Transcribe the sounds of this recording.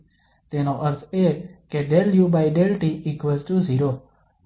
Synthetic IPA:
t̪eːnoʔəɾt̪ʰeːkeɖeljuːbajɖelʈiikʋezʈuziːɾo

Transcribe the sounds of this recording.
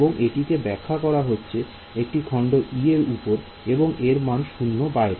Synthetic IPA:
boŋʔeʈikebɛkʰːakɔɾaɦotːɕʰe | ek̚ʈikʰɔɳɖoʔieɾupoɾ | eboŋeɾmanʃunːobaeɾ

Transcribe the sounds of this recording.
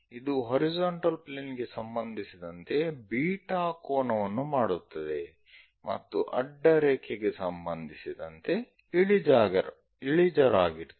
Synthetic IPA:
id̪uɦɐɾid͡ʒoːɳʈɐlpleːnɡe̞sɐmbɐnd̪ʱisid̪ɐnt̪e̞biːʈaːkoːnɐʋɐnːumaːɽut̪ːɐd̪e̞ | mɐ̰t̪ːuʔɐɖːɐɾeːkʰeɡe̞sɐmbɐnd̪ʱisid̪ɐnt̪e̞ | iɭid͡ʒaːɡɐɾ | iɭid͡ʒɐɾaːɡiɾ

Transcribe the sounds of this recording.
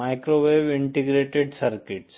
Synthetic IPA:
aɪkɾoʋeːʋɪɳʈiɡɾeːʈeɖsɐɾkɪʈs

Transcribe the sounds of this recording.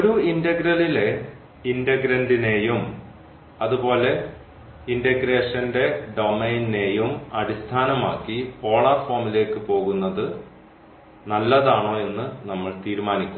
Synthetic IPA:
oɾuindɐɡɾɐlile̞ | indɐɡɾɐndine̞ːjum | ɐðubo̞ːle̞ | indɐɡɾe̞ːʂɐnde̞ɖo̞mejnine̞ːjumɐɽist̪ʰaːnɐma̰ːkːipoːɭɐrfoːmile̞ːkːɨpo̞ːɣunːɐðɨ | nɐlːɐðaːɳo̞ːe̞nːɨnɐmːɐɭt̪iːɾumaːnikʲːum

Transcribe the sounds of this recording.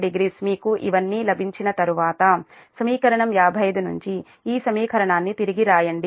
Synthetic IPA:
ɖiɡɾiːsmiːkuʔḭʋɐnːiːlɐbʱiɲt͡ʃinɐt̪ɐɾuʋaːt̪ɐ | sɐmiːkɐɾɐɳɐmjaːbʱɐjɐd̪unuɲt͡ʃi | iːsɐmiːkɐɾɐɳaːnːit̪iɾiɡiɾaːjɐɳɖi

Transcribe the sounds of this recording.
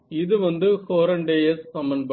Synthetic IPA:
ɪðɯʋɐnd̪ɯkoːɾɐɳɖeːjɐskɐmːɐnb

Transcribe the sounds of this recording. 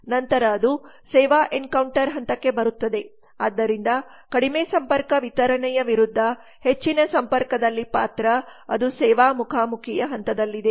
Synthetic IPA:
nɐnt̪ɐɾɐːd̪u | sɛːʋaːʔenkɐwɳʈɐɾɦɐnt̪ɐkːe̞bɐɾut̪ːɐd̪e̞ | aːd̪ːɐɾind̪ɐ | kɐɽimeːsɐmpɐɾkɐʋit̪ɐɾɐɳɛjɐʋiɾud̪ʱːɐ | he̞t͡ʃːinɐsɐmpɐɾkɐd̪ɐlːipaːt̪ɾɐɐd̪usɛːʋaːmukʰaːmukʰijɐɦɐnt̪ɐd̪ɐlːid̪e̞

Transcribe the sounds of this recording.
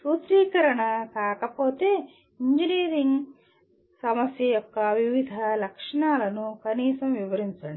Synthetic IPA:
suːt̪ɾiːkɐɾɐɳɐkaːkɐpo̞ːt̪e̞ː | iɲd͡ʒiniːɾiŋɡ | sɐmɐsjɐjɔkːɐʋiʋid̪ʱɐlɐkʂɐɳaːlɐnukɐniːsɐmʋiʋɐɾiɲt͡ʃaːɳɖi

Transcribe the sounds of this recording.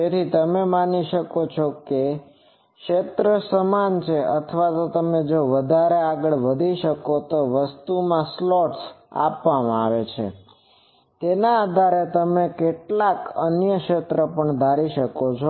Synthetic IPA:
d͡ʒet̪ʰit̪əmemaniʃəkot͡ʃʰoke | kʃet̪ɾəsəmant͡ʃʰeʔət̪ʰʋat̪ot̪əmed͡ʒoʋəd̪ʱaɾeaɡəɭʋəd̪ʱiʃəkot̪oʋəst̪umãslɔʈsa̰pʋamãa̰ʋet͡ʃʰḛ | t̪enaːd̪ʱaɾet̪əmekeʈlakənjəkʃet̪ɾəpəɳd̪ʱaɾiʃəkot͡ʃʰo

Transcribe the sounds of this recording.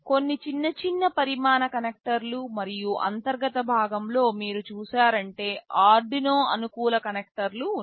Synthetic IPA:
ko̞nːit͡ʃinːɐt͡ʃinːɐpɐɾimaːnɐkɐnek̚ʈɐɾlumɐɾijuʔɐ̰nt̪ɐɾɡɐt̪ɐbʱaːɡɐmlo̞ːmiːɾut͡ʃuːsaːɾɐɳʈe̞ːaːɾɖinoːɐnukuːlɐkɐnek̚ʈɐɾlu

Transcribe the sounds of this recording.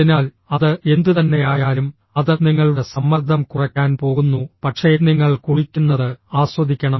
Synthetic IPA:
inaːl | ɐðɨe̞nd̪ɨt̪ɐnːe̞jaːjaːlum | ɐðɨniŋːɐɭuɽe̞sɐmːɐrd̪ʱɐmkurɐkʲːaːnpo̞ːɣunːupɐʈʂe̞ːniŋːɐɭkuɻikʲːunːɐðɨaːɕʋɐd̪ʱikʲːɐɳɐ

